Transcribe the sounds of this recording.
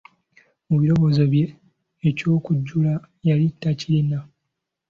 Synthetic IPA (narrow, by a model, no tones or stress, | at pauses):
muβiɾo̞βo̞ːzoβje̞ː | co̞ːkuɟːula | jalitːacilina